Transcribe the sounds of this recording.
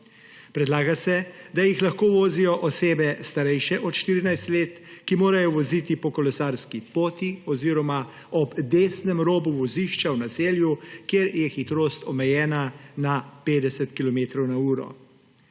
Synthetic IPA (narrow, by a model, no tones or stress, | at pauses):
pɾɛd̪laːɡasɛd̪ajixlaxkoːʋoːzijɔʔɔseːbɛst̪aɾɛjʃɛʔɔt̪ʃt̪iːɾinajst̪leːt̪ | kimoːɾajɔʋɔzit̪ipɔkɔlɛsaːɾskipoːt̪iɔziːɾɔma | ɔbd̪eːsnɛmɾoːbuʋɔziʃt͡ʃawnaseːljukjeɾjɛxit̪ɾoːst̪ɔmɛjɛːnanapeːd̪ɛsɛt̪kilɔmeːt̪ɾɔwnauːɾɔ̰